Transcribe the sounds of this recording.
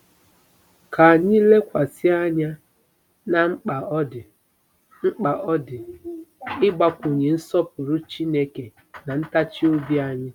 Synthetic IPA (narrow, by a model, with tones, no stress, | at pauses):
kʰa˨a˨ɲɪ˦le˦kʷa˨sɪ˦a˦ɲa˦ | na˨ŋ͡m̩˦k͡pa˨ɔ˦dɪ˨ | ŋ͡m̩˦k͡pa˨ʔɔ˦dɪ˨ | ɪ˦ɡ͡ba˦kʷu˨ɲe˨n̩˦sɔ˦pʊ˨ɾʊ˦t͡ʃi˦ne˦ke˨ | na˨n̩˦ta˦t͡ʃi˦o˦bi˦a˦ɲɪ˦